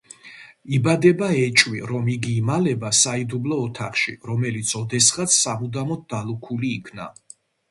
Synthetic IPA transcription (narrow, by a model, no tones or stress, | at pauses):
ibad̪ɛbaɛt͡ʃʼwiɾɔmiɡiːmalɛbasaid̪ublɔːt̪ʰaχʃḭɾɔmɛlit̪sʰɔd̪ɛsχat̪sʰsamud̪amɔt̪̚d̪alˠukʰuliːkʰna̰